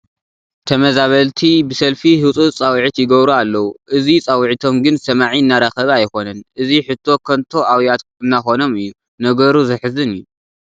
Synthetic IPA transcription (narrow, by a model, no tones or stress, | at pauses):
t̪ʰɐmɐzaβɐlt̪ʰibɨsɐlfihɨt͡sʼut͡sʼawʕit̪jɪɡɐβɾualːɐwuʔɨzit͡sʼawʕit̪ʰo̞mɡɨnsɐmaʕiɨnːaɾaxɐβajko̞nɐnʔɨziħɨt̪ʰːo̞kʰɐnt̪ʰo̞ʔawjat̪ | ɨnːaxo̞no̞mɨjːu | nɐɡɐɾuzɨħɨzɨnɨjːu